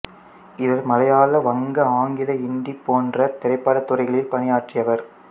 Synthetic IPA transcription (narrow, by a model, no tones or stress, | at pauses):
ɪʋɐɾmɐlɐjaːlɐʋɐŋɡɐaːŋɡɪlɐɪɳɖipːoːndrɐt̪ɛɾɐɪpːaːɽɐt̪ːʊrɐɪɣɐɭɪlpɐnɪjaːʈrɪjɐʋɐɾ